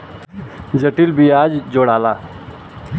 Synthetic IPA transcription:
d͡ʒəʈilbiːaːd͡ʒd͡ʒoːɽaːlaː

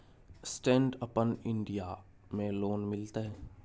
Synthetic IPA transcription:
sʈẽːɳɖəpənɪ̃ɳɖija | mẽloːnmɪlt̪eɦɛː

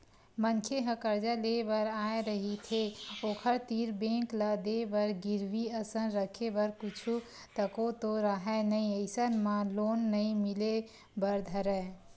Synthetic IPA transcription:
mənkʰeɦəkəɾd͡ʒalebəɾajɾəɦit̪ʰeokʰəɾt̪iɾbẽkləd̪ebəɾɡiɾbiəsənɾəkʰebəɾkut͡ʃʰu | t̪əkot̪oɾaɦɛnəjəɪsənmalonːəjmile | bəɾd̪ʱəɾɛ

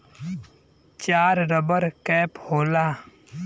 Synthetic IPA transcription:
t͡ʃaːɾɾəbəɾkɛːphoːlaː

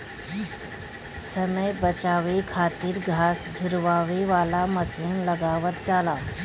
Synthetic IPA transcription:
səməjbət͡ʃaːʋikʰaːt̪iɾɡʱaːsd͡ʒʱʊɾʋaːʋeʋaːlaməsinləɡaːʋət̪t͡ʃaːlaː

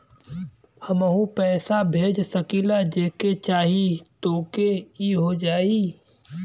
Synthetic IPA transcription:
hɐməɦũpɛːsabʱeːd͡ʒsɐkiːlad͡ʒeːket͡ʃaːɦit̪oːkeiɦod͡ʒaːiː

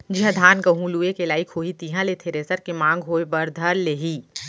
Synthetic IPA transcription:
d͡ʒɐ̃d̪ʱaːnɡɐɦũluːekelaːikʰoːɦit̪iːɦãlet̪ʰeɾeːsəɾkemãːŋɡɦoːebɐɾd̪ʱɐɾleːɦiː

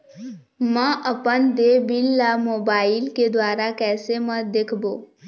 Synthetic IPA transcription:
məʔəpənd̪ebilːamobailked̪ʋaɾakɛːseməd̪ekʰbo

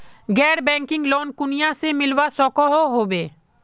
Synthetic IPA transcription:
ɡɛɽbɛŋkiŋlonkunijasemilwasɔkɔɦoɦobe

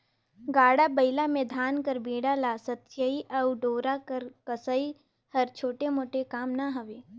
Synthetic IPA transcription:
ɡaːɽabɐɪlamẽd̪ʱaːnkɐɾbeːɽalasɐt̪ʃəiʔɐʊɖoːɾakəɾkəsəi | hɐɾt͡ʃʰoːʈemoːʈekaːmnaɦɐʋeː

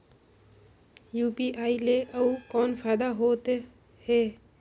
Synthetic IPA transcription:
juːpiːʔaːileʔɐuːkɔːnfaːd̪aɦoːt̪e | heː

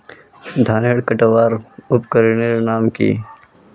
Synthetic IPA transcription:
d̪ʱaːneːɽkəʈəʋaːɾʊpkəɾineɾenaːmkḭː

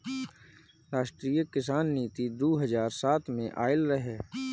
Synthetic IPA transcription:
ɾaːʃʈɾiːjəkɪsaːnːiːt̪id̪oːɦɐzaːɾsaːt̪ʰmẽʔaːɪlɾəɦeː

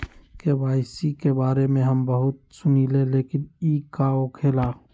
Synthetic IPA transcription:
kewaːɪsikebaːɾemẽɦɐmbɐɦʊt̪̚sʊniːleleːkɪniːkaokʰeːlaː

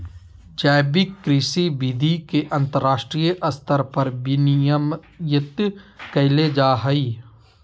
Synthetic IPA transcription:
d͡ʒaːbɪkːɾɪsibid̪ʱikeʔɐ̃nt̪əɾːaːʃʈɾijəʔɐst̪ʰəɾpɐɾbɪnijəm | jɪt̪kɐɪled͡ʒaːɦɐi

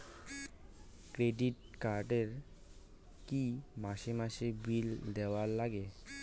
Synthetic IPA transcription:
kɾeɖiʈkaɾɖeɾ | kimaʃemaʃebild̪ɛwaɾlaɡe

